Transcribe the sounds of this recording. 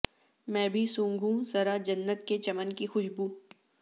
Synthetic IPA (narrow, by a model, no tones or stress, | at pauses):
mɛ̃ːbʱisũːŋɡʱũzɐɾad͡ʒɐnːət̪ket͡ʃɐmənkixʊʃbuː